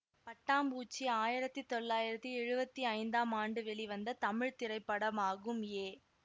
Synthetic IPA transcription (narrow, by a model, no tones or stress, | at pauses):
pɐʈːaːmbuːt͡ʃːiaːjɪɾɐt̪ːit̪ɔɭːaːjɪɾɐt̪ːiɛɻɯbɐt̪ːiɐɪnd̪aːmaːɳɖɯʋɛɭiʋɐnd̪ɐt̪ɐmɪɻt̪ɪɾɐɪpːɐɽɐmaːɣɯmjeː